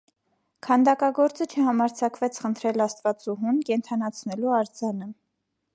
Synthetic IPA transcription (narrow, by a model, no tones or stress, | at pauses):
kʰɑnd̪ɑkɑɡɔɾt͡sət͡ʃʰəhɑmɑɾt͡sʰɑkvɛt͡sʰχənt̪ʰɾɛlɑst̪vɑt͡suɦunkɛnt̪ʰɑnɑt͡sʰnɛluɑɾd͡zɑnə